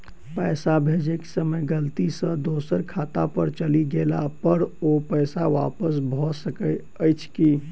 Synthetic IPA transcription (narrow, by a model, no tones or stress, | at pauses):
pəsabʱed͡ʒeksəməjɡəlt̪isə̃d̪osəɾkʰat̪apəɾt͡ʃəliɡelapəɾopəjsaʋa̰pəsbʱɔsəkə | əjt͡ʃʰki